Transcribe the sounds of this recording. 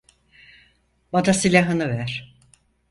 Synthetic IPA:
bad̪asilʲaɦɯnɯvæɾ̥

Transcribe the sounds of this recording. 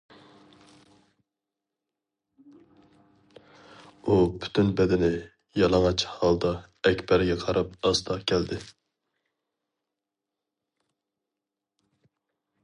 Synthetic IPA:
upʰy̥t̪ʰynbɛd̪ɪnɪ | jɑlˠɑŋɑt͡ʃhɑlˠd̪ɑ | ɛkʲbɛɾɡʲɛqʰɑɾɑpɑst̪ʰɑkʲʰɛld̪ɪ

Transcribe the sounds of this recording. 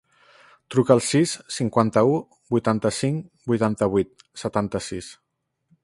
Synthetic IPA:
t̪ɾukəːlˠsisːiŋkwant̪əu | bujt̪ant̪əsiŋbujt̪ant̪əβ̞wit̪̚ | sət̪ant̪əsis

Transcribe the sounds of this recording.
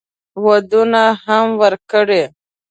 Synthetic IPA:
wad̪unaɦamwəɾkəɽe

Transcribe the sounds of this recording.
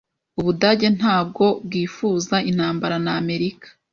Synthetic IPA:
uβudaːɟe̞n̥haːb̚ɡo̞b̚wiːfuːzain̥haːmbaɾanaːme̞ɾikḁ

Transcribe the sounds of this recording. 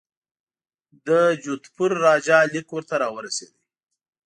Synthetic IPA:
d̪əd͡ʒut̪pʰʊɾːɑd͡ʒɑlikwəɾt̪aɾɑwəɾased̪i

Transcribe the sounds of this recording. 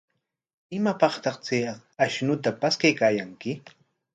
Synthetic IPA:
ɪmapɑχt̪ɑχt͡seaʃnʊt̪apaskajkaːjaŋkɪ

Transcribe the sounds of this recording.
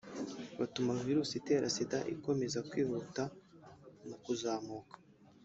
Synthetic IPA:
βatumaviɾuːsite̞ːɾʔa̰sidaʔḭko̞me̞zakwiːhuta | nukuzaːmuːkḁ

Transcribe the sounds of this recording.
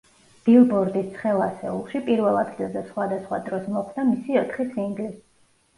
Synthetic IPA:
b̥ilˠbɔɾd̪ist̪sʰχɛlˠasɛulˠʃipʼiɾvɛlˠad̪ɡɛd̪asχwad̪asχwa̰d̪ɾɔsmɔχd̪amisiɔt̪ʰχisiŋɡlis

